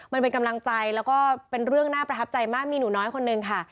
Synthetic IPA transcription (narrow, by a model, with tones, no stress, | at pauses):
ma˧npe˧nka˧mla˧ŋt͡ɕa˧jlɛː˦˥wkɔː˥˩pe˧nɾɯ˥˩əŋnaː˥˩pɾa˧t̪ʰa˦˥p̚t͡ɕa˧jmaː˥˩k̚miː˧nuː˩˦nɔː˦˥jkʰo˧nːɯ˧ŋkʰa˥˩